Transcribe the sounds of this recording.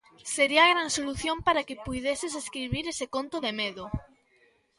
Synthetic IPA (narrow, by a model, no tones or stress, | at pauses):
seɾiɐaɣɾansoluθjompaɾakɪpujðesɪseskɾiβiɾesekont̪oðemeðo